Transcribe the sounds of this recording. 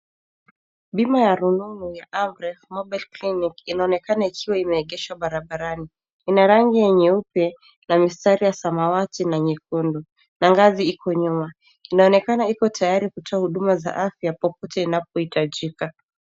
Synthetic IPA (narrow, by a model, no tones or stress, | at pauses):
ɓimajaɾununujaʔamɾɛvmɔɓɛlklinikinaɔnɛkanaikʰiwaimɛːɠɛʃwaɓaɾaɓaɾani | inaɾaŋɡijɛɲɛupɛ | namistaɾijasamawatinaɲik̚undu | naŋɡaziikɔɲuma | inaɔnɛkanaikɔtʰajaɾikutʰɔahuɗumaza̰ʔafjapɔp̚ɔtɛinap̚ɔhitaʄika